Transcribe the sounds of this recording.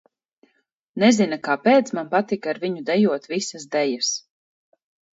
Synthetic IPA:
nɛzinakaːpeːt̪smanpat̪ikaɾviɲud̪ɛjuɔt̪visasd̪ɛjas

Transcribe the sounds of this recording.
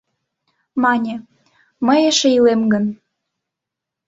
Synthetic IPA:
mɑnʲe | məjeʃeilemɡən

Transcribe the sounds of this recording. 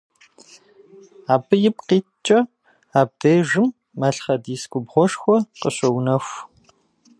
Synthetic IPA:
aːbɨjɪp̚qiːtt͡ʃʼɐ | aːb̚deːʒɪmː | aɬχɐdiːskʷʼʊbʁʷɔʂxʷɔqəɕɐwnɐxʷ

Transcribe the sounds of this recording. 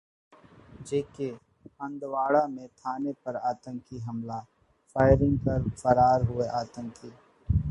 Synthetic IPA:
d͡ʒeːke | ɐ̃nd̪waːɽamẽt̪ʰaːnepɐɾaːt̪ə̃ŋkiɦɐmla | faːɪɾɪ̃ŋɡ̚kɐɾfəɾaːɾɦʊeʔaːt̪ə̃ŋkiː

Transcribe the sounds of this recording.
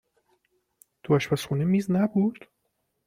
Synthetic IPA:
d̪̥oæʃpæsxunemiːznæbud̪̥

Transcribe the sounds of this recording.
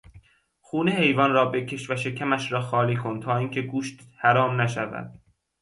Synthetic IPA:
xuːnehe̞jvɒnrɒːbe̞cʰe̞ʃvæʃe̞cʰæmæʃɾɒːxɒːliːkʰont̪ʰɒːiːŋcʰe̞ɡuːʃt̪hæɾɒːmnæʃævæ̰d̪̥

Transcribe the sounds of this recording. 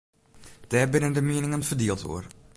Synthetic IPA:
d̥ɛːrbɪnəndəmiənɪŋənfərdiəlˠto̰ər

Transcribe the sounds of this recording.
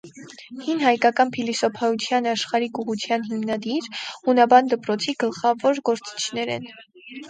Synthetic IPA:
hinɦɑjkɑkɑnpʰilisɔpʰɑut͡sʰjɑnɑʃχɑɾikuʁut͡sʰjɑnɦimnɑd̪iɾhunɑbɑnd̪əpɾɔt͡sʰiɡəlχɑvɔɾɡɔɾt͡si̥t͡ʃʰnɛɾɛ̰n

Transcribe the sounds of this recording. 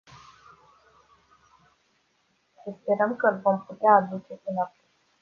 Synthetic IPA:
səspe̞ɾəmkəlvo̞mput̪eaːd̪ut͡ʃe̞pɨnapu

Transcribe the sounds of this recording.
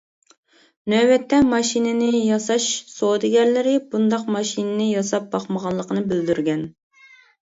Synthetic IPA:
nøwɛt̪ːɛmɑʃinɪnɪjɑsɑʃsod̪ɪɡʲɛnlɪɾɪbund̪ɑqmɑʃinɪnɪjɑsɑp̚bɑqməʁɑlˠːəqənɨbɪld̪yɾɡʲɛn

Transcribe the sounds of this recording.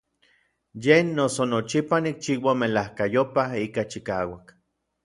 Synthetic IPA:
jenːosonot͡ʃipanik̚t͡ʃiːwamelahkajopaikat͡ʃikaːwak

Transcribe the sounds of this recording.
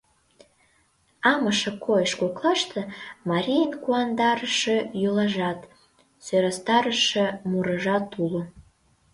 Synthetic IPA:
ɑməʃə̆kʰojəʃkoklɑʃt̪ʰĕmɑɾʲijənkuɑnd̪ɑɾəʃejolɑʒɑt̪ | søɾɑst̪ɑɾəʃĕmuɾəʒɑt̪ulo

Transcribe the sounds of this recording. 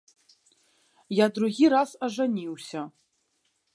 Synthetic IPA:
jad̪ɾuɣʲiɾasaʐanʲiwsʲɐ

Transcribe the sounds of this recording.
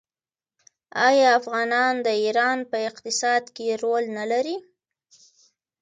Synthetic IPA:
ɑjɑafɣɑnɑnd̪əiɾɑnpəɪqt̪ɪsɑd̪keɾolnalaɾi

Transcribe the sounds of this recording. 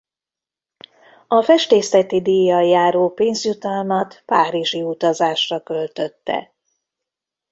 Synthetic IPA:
ɒfɛʃt̪eːslɛt̪id̪ijːɒjaːɾoːpeːnzjut̪ɒlmɒt̪paːɾiʒiut̪ɒzaːʃrɒkølt̪ø̞t̪ːɛ̰

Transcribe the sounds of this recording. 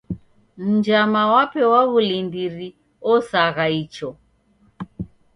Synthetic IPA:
m̩d͡ʒamawapɛwaβulindiɾi | ɔsaɣait͡ʃɔ

